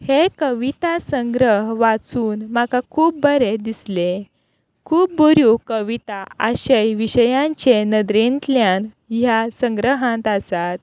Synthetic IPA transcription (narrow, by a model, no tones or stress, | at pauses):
hekəʋit̪asəŋɡɾəɦʋat͡suːnm̤akakʰuːp̚bʱəɾed̪isle | kʰuːp̚buɾjukəʋit̪aʔəɕəjʋiɕəjãɲt͡ɕenəd̪ɾent̪ljan | jasə̃ŋɡɾəɦãnt̪asat̪̚